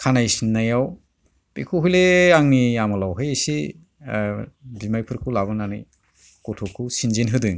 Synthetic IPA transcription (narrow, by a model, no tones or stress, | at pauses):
kʰanajsinːajaw | pikʰuɦujleaŋniamɔlawɦɯjesi | bimajpʰɯɾkʰulabɯnanɯj | kɔtʰɔkʰusinzinɦɯdɯŋ